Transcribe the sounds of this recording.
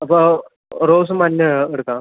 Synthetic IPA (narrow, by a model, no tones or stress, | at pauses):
pə | ɾoːs̬manːjəːɽka